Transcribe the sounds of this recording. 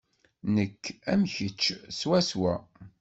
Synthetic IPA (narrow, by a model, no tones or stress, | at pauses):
nəkːæmçət͡ʃːswæswæ